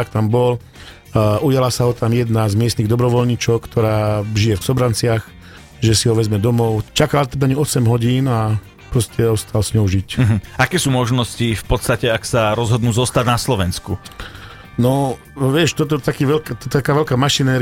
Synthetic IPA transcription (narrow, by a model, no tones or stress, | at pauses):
akt̪ambɔl | ʔujalasaɦɔt̪amjɛd̪nazmɪɛst̪niɣd̪ɔbɾɔʋɔlɲit͡ʃɔʊkt̪ʰɔɾaːʒijɛfsɔbɾant͡sɪax | ʒɛsiɦɔʋɛzmɛd̪ɔmɔʊt͡ʃakalat̪ɛb̪aaɲiɔsɛmɦɔɟiːna | pɾɔscɛɔst̪alsɲɔʊʒic̩ɦ̩akɛːsuːmɔʒnɔscifpɔt̪st̪acɛaksaɾɔzɦɔd̪nuːzɔst̪aɟnaslɔʋɛnsku | nɔ | ʋɪɛʃt̪ɔt̪̬ɔt̪akiːʋɛlkat̪ɔt̪t̪akaːʋɛlkaːmaʃinɛːɾ